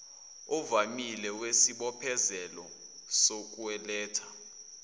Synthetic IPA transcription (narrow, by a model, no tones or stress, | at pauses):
ɔvamilɛwesiɓɔpʰɛzɛlɔ | sok̬ʼuwɛlɛːtʰḁ